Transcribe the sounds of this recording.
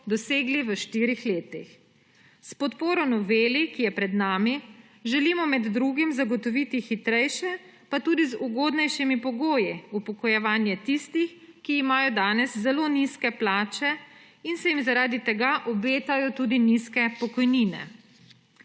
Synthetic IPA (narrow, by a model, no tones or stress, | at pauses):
d̪ɔseːɡliʋəʃt̪iːɾixleːt̪ix | spɔt̪poːɾɔnɔʋeːlikijɛpɾɛd̪naːmi | ʒɛlimɔmɛd̪ːɾuːɡimzaɡɔt̪ɔʋit̪ixit̪ɾɛjʃɛ | pat̪uːd̪izuɡoːd̪nɛjʃimipɔɡoːjiupɔkɔjɛʋaːnjɛt̪ist̪ixkiːmaːjɔd̪aːnɛszɛloːniskɛplaːt͡ʃɛ | insɛjimzaɾaːd̪it̪ɛɡaʔɔbeːt̪ajɔt̪uːd̪iniskɛpɔkɔjniːnɛ̰